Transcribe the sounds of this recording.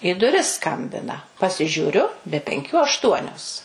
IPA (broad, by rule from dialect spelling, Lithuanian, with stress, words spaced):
iː dʊˈrʲɪs ˈskɐmʲbʲɪnɐ pɐsʲɪʒʲuːˈrʲʊ bʲɛ pʲɛŋʲˈkʲuː ɐʃˈtuɔnʲoːs